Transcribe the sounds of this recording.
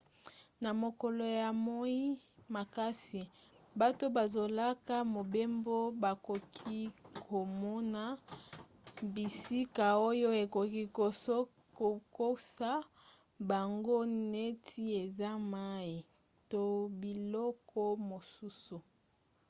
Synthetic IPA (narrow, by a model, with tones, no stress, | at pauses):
na˨mo˨ko˨lo˨ja˨mo˦i˦ | ma˨ka˦si˨ | ba˨to˦ba˨zo˨la˦ka˦mo˨be˦mbo˦ba˨ko˨kʰi˦kʰo˨mɔ˦na˦ | bi˨si˦ka˨o˦jo˦e˨ko˨ki˦ko˨s | ko˨ko˦sa˦ | ba˨ŋɡo˦ne˦tʰi˦e˨za˦ma˦i˨ | to˨bi˨lɔ˦kʰɔ˦mo˨su˦su˨